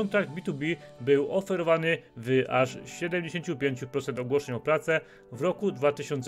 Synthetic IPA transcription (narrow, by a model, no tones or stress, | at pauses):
ɔnt̪ɾaɡd̪bʲit̪ubʲibɘwʔɔfɛɾɔvanɘvʔaʂɕɛd̪ɛmd͡ʑeɕeɲt͡ɕupʲjeɲt͡ɕupɾɔt̪sɛnt̪ɔɡwɔʂɛɲɔpɾat̪sɛ | vɾɔkud̪vat̪ɘɕɔnt̪s